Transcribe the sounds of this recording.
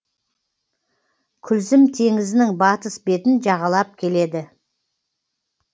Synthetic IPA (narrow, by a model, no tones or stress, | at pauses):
kʲʰʏlzɪmt̪ʰe̞ŋɪzɪnɪŋbɑt̪əsbe̞t̪ɪnʒɑʁɑlˠɑp̚kʲʰe̞le̞d̪ɪ